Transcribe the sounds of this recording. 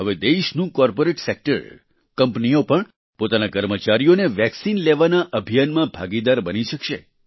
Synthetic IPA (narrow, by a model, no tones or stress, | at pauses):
ɦəʋed̪eʃnũkɔɾpoɾeʈsek̚ʈə̰ɾ | kəmpnijopəɳ | pot̪anakəɾmət͡ʃaɾijoneʋɛksinleʋanaʔəbʱijanmãbʱaɡid̪aɾbəniʃəkʃḛ